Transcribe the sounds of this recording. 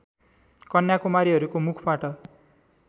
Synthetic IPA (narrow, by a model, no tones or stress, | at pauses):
kʌnjakumaɾiɦʌɾukomukʰbaʈʌ